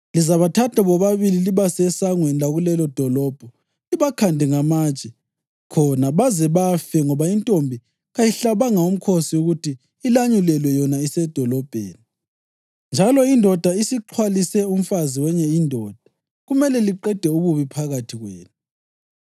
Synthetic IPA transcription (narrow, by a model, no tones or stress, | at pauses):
lizaβatʰatʰaβɔβaβililiβasɛsaŋwɛnlaɣulɛlɔd̥ʱɔlɔb̥ʱɔ | iβakʰandʱɛŋamat͡ʃʼɛ | kʰɔnaβazɛβafɛŋɔβaintʼombʱi | ɣajiɬaβaŋaum̩kʰosiuɣutiː | laɲulɛlwɛjɔnaisɛd̥ʱɔlɔb̥ʱeːni | nd͡ʒʱalɔindʱɔd̥ʱaisiǃʰwalisɛum̩faziwɛɲɛindʱɔːd̥ʱḁ | ɣumɛlɛliǃɛd̥ʱɛuβuβipʰaɣatʰiɣwḛːnu